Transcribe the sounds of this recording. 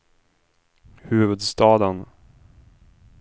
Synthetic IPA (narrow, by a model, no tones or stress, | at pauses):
hʉ̟ːvɵd̪st̪ɑːd̪ən